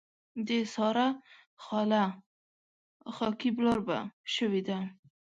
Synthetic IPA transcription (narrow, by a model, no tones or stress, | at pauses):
d̪esɑɾa | xɑla | xɑkiblɑɾba̰ʃəwed̪a